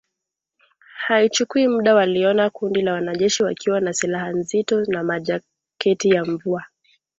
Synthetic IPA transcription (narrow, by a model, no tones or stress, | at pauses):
hait͡ʃukuimuɗawaliɔnakundilawanaʄɛʃiwakʰiwanasilahanzitɔnamaʄa | kɛtijaɱvua